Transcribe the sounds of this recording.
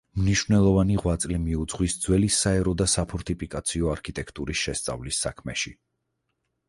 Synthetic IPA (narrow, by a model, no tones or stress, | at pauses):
mniʃwvnɛlˠɔvaniʁwat̪sʼlɛmiud̪z̥ʁwisd̪z̥wɛlisːaɛɾɔd̪asapʰɔɾt̪ʰipʰikʼat̪sʰiɔaɾkʰit̪ʼɛkʰt̪ʼuɾisʃɛst̪sʼa̰vlisːa̰kʰmɛ̰ʃi